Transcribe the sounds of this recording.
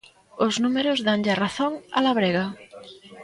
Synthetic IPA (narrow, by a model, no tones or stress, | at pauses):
ʊznumeɾʊzðaŋʎaraθoŋa̰laβɾeɣa